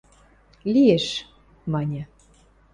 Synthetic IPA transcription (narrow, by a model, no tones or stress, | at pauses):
lijeʃ | mɑnʲɤ̆